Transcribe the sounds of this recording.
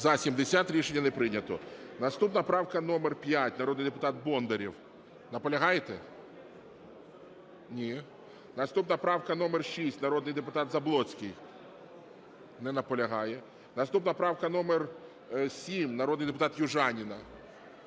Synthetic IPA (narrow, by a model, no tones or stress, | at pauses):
zɐsʲimd̪esʲat̪ɾʲiʃenʲːɐnɛpɾɪnʲɐt̪ɔnɐst̪upnɐpɾɑwkɐnɔmɛrpʲjatʲnɐɾɔd̪nɨjd̪epʊt̪ɑt̪̚bɔnd̪ɐɾʲiw | nɐpɔlʲɐɦɑjt̪ɛ | nʲi | nɐst̪upnɐpɾɑwkɐnɔmɛrʃisʲtʲnɐɾɔd̪nɪjd̪epʊt̪ɑt̪zɐblˠɔt͡sʲkɪj | nɛnɐpɔlʲɐɦɑjɛ | nɐst̪upnɐpɾɑwkɐn̪ɔmɛr | sʲimnɐɾɔd̪nɪjd̪epʊt̪ɑt̪jʊʒɑnʲinɐ